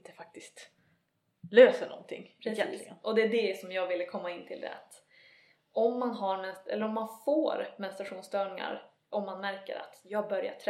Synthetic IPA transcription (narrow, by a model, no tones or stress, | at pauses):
nt̪ə̥fak̚t̪ɪst̪ | løːsəɳɔ̰nːt̪ʰɪ̰ŋːɾɛɪʔɔd̪ɛːɖɛsɔmjɑːɡvɪlːəkʰɔmːaɪnːt̪ʰɪld̪ɛ̰a̰t̪ | ʔɔmːanɦaɾmɛnsɛ̰lːəɾɔmːanfo̰ːɾmɛnst̪ɾaɧuːnst̪œːɳɪŋa̰ɾ | ʔɔmːanmæɾkə̰ɾa̰t̪jɑːɡ̚bœɾja̰ʈʰɾɛ